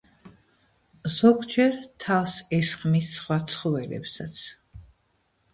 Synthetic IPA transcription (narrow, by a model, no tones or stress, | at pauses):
z̥ɔɡd͡ʒɛɾt̪ʰavsɛsχmisːχwat̪sʰχɔvɛlɛ̰psat̪sʰ